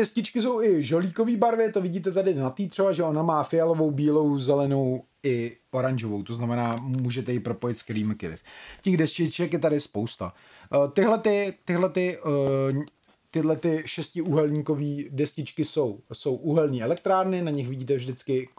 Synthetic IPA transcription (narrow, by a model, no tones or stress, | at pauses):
dɛscɪt͡ʃkɪs̬o̞wɪʒo̞liːko̞viːbaɾvɪt̪ovɪɟiːt̪ɛt̪adɪnat̪iːt̪r̥ɛbaʒɛonamaːfɪjalo̞vo̞wbiːlo̞wzɛlɛnow | ɪo̞ɾaɲʒovowt̪o̞znamɛnaːmuːʒɛt̪ɛjɪpɾo̞po̞jɪt̪skɛɾiːmɪkɪlɪ̰fcɛɣdɛscɪt͡ʃɛkjɛt̪adɪspowst̪a̰ | t̪ɪɦlɛt̪ɪt̪ɪɦlɛt̪ɪ | t̪ɪdlɛt̪ɪʃɛscɪuɦɛlɲiːko̞viːdɛscɪt͡ʃkɪso̞wso̞wʔuɦɛlɲiːɛlɛk̚t̪ɾaːɾnɪnaɲɪxvɪɟiːt̪ɛvʒdɪt͡skɪ